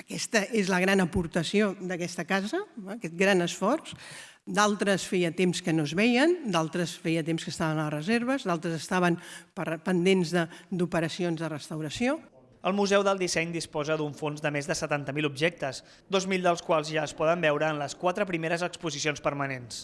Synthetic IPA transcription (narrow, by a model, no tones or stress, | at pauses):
əkɛst̪əʔezləɣɾanəpuɾt̪əsiod̪əkɛst̪əkazəkɛt̪̚ɡɾanəsfɔrs | d̪alˠt̪ɾəsfɛjət̪emskənozβɛjənd̪alˠt̪ɾəsfɛjət̪emskəst̪aβənələrəzeɾβ̞əzðalˠt̪ɾəzəst̪aβ̞ənpəpənd̪enzðəd̪upəɾəsionzðərəst̪əwɾəsio | əlˠmuzɛwðəlˠd̪isɛɲd̪ispɔzəd̪uɱfonzðəmezðəsət̪ant̪əmilubʒɛk̚t̪əz | d̪ozmilˠd̪əlˠskwalˠzʒaəspɔðəmbɛwɾəːnləskwat̪ɾəpɾimeɾəzəkspuzisionspəɾmənens